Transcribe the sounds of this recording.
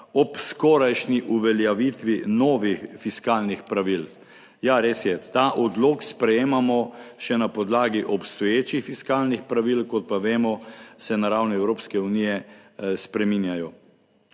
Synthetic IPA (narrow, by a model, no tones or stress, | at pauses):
ɔpskɔɾajʃniʔuʋɛljaʋit̪ʋinɔːʋixfiskaːlnixpɾaʋil | jaɾeːsjɛt̪aːʔɔd̪loːkspɾɛjeːmamɔʃɛnapɔd̪laːɡiʔɔpst̪ɔjeːt͡ʃixfiskaːlnixpɾaʋilkɔt̪̚paʋeːmɔsɛnaɾawniɛwɾoːpskɛuniːjɛspɾɛminjajɔ